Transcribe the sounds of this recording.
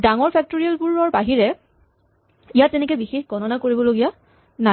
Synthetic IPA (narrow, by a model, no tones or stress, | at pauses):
daŋɔɹpʰɛk̚toɹijalpuɹɔɹbaɦiɹɛ | ijattɛnɛk̬ɛbixexɡʱɔnɔnakoɹibɔloɡija | na